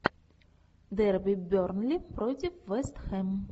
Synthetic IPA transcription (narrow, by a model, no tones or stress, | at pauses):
d̪ɛrbʲibʲɔrnlʲipɾɔtʲifʋɛst̪xɛm